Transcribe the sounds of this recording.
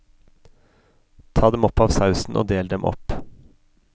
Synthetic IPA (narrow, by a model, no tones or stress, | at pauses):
t̪ʰɑːd̪ɛmɔpɑːʋsɑʉsn̩ʔo̰ːd̪eːld̪ɛmʔɔ̰p